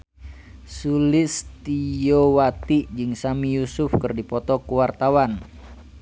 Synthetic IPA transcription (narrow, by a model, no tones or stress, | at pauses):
sulɪst̪ijowat̪id͡ʒɨŋsamijusʊfkɨrdipɔt̪ɔkuwart̪awan